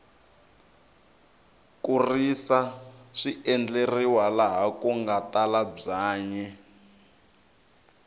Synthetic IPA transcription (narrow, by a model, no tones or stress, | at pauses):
kurisaʂiɛnd͡ɮeriwalaɦakuŋɡatalab͡ʐaːɲɛ